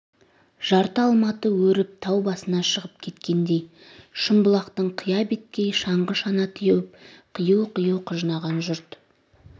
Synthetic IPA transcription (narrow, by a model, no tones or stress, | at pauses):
ʒ̥ɑɾt̪əɑlˠmɑt̪əwɵɾɪp̚t̪ʰɑwbɑsənɑʃəʁəp̚kʲʰe̞t̪kʲe̞nd̪e̞j | ʃəmbəlˠɑqt̪əɴqʰəjɑbet̪̚kʲejʃɑɴʁəʃɑnɑt̪ʰijuwɪp̚qʰəjəwqʰəjəwqʰəʒənɑʁɑnʒʊɾt̪